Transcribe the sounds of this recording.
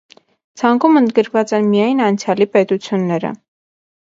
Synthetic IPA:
t͡sʰɑŋkumənd̪̚ɡəɾkvɑt͡sɛnmijɑjnɑnt͡sʰjɑlipɛt̪ut͡sʰjunːɛɾə̰

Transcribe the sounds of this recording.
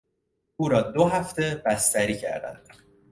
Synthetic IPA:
uːɾɒːd̪oɦæft̪e̞b̥æst̪æɾiːcʰæ̰ɾd̪æ̰nd̪̥

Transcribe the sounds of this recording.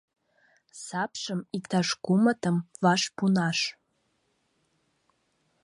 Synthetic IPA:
sapʰʂəmikt̪ʰaʂkʷumatʰəmvaʂpʰunaʂ

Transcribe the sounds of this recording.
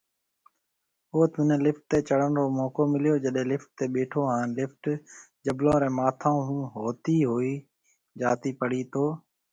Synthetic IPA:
oːt̪ʊnẽːlɪfʈ̚t̪eːt͡ʃəɽ̤ənɾoːmoːkoːmɪlɪjoːd͡ʒəɗɦẽːlɪfʈ̚t̪eːɓeːʈʰoːaːnlɪfʈd͡ʒəblõːɾẽːmaːt̪ʰãːɦũːɦoːt̪iːɦoːiː | d͡ʒaːt̪iːpəɽ̤iːt̪ʰoː

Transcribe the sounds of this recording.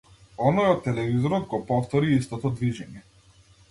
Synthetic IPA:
ɔnɔjɔt̪ːɛlɛvizɔɾɔd̪̚ɡɔpɔft̪ɔɾiist̪ɔt̪ɔd̪viʒɛɲɛ

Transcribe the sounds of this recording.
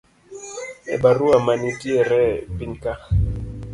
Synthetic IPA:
ɛ̰baɾuamanitiɛɾɛpiŋka

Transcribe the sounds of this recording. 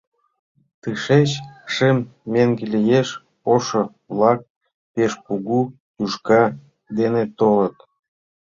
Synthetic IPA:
t̪ɨʃet͡ɕʃemːeŋɡelijeʃ | oʃo | βlɑk̚ | peʃpuɣu | j̪uʃkɑ | d̪enet̪olət̪

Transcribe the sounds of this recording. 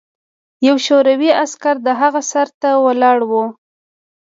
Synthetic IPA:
jawʃoɾawiaskaɾd̪əɦaɣasaɾt̪awəlɑɽwu

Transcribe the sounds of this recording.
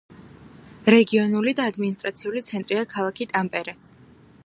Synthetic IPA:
ɾɛɡiɔnulid̪aːd̪minist̪ʼɾat̪sʰiulit̪sʰɛnt̪ʼɾiakʰalˠakʰit̪ʼampʼɛɾɛ

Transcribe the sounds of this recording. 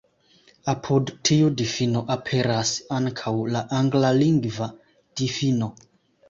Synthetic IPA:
apʰudtʰiudifinoʔapʰe̞ɾasaŋkʰawlaʔaŋɡlaliŋɡva | d̥ifino̞

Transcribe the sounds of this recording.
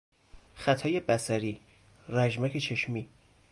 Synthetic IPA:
xæt̪ʰɒːje̞bæsæɾiː | ɾæʒmæcʰe̞t͡ʃʰe̞ʃmiː

